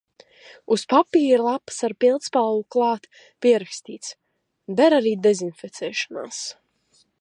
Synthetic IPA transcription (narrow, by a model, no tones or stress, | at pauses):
uspapiːɾiɾlˠapsaɾpilˠt̪spalluklˠɑːt̪ | piɛɾakst̪iːt̪s | b̪ɛɾaɾiːd̪ɛzinfɛt̪sɛːʃana̰ːs